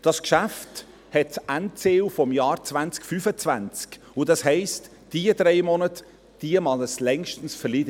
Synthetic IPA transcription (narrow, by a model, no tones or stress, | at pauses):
d̥ɑskʃæft | hɛt̚t͡sæntt͡seːufɔmjɑːɾt͡svænt͡skfyfət͡svænt͡sk | ʊd̥ɑshɛɪst | d̥iəd̥ɾɛɪmɔnət | d̥iəmɑləslɛŋʃtən̩sfɛlidə